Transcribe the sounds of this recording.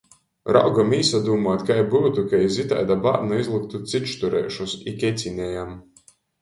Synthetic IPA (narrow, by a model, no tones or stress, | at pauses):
ɾa̰wɡamiːsad̪uːmaːt̪kajbuwt̪ukajizit̪a̰jd̪aba̰ɾnaizlˠɨk̚t̪ut̪sit͡ʃt̪uɾɛ̰jʃusikʲet̪sʲinʲɛjam